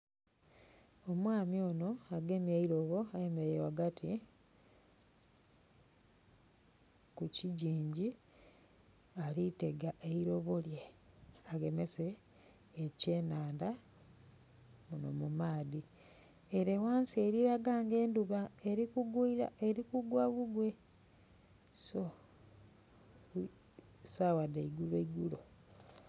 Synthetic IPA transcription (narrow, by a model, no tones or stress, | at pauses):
o̞mwaːmio̞ːno̞aɡe̞mjeiɾo̞βo̞aje̞meɾewaɡatʰi | kuciɟiːɲɟi | alite̞ɡaʔe̞iɾo̞βoljeaɡe̞me̞se̞ː | ce̞ːnaːnda | muno̰mumaːdi | eɾewaːnsieɾiɾaɡaːŋɡe̞ːnduβaeɾikuɡuiɾa̰eɾikuɡwaβuɡwe̞ | so | sawadeiɡuβeiɡulo